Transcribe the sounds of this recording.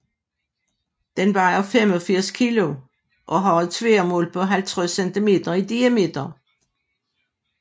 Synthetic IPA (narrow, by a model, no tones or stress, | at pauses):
d̪̥enb̥ɑ̈ɪɐfemɒ̽fiɐ̰skʰilo̝ | ʔɒ̽ɦɒðt͡sʰʋeːɐmo̰ːlpʰɒ̽ɦælt͡sʰʁɛsendʰime̝̰ːd̥ɐid̥iæme̝̰d̥ɐ